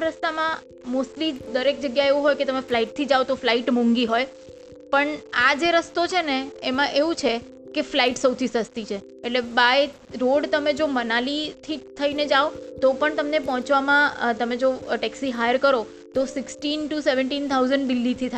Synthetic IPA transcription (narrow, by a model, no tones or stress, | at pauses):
ɾəst̪amã | mosʈlid̪əɾek̚d͡ʒəɡjaeʋũɦojket̪əmeflaiʈ̚t̪ʰid͡ʒaʋot̪oflaiʈmũŋɡiɦoj | pəɳad͡ʒeɾəst̪ot͡ʃʰeneemãʔeʋũt͡ʃʰe | keflaiʈsəwt̪ʰisəst̪it͡ʃʰe | eʈlebaje | ɾoɽt̪əmed͡ʒomənalit̪ʰit̪ʰəined͡ʒaot̪opəɳt̪əmnepɔɦɔ̃t͡ʃʋamãt̪əmed͡ʒoʈɛksiɦajəɾkəɾo | t̪osɪksʈinʈuseʋəɳʈint̪ʰauzəɳɖd̪ɪlːit̪ʰit̪ʰa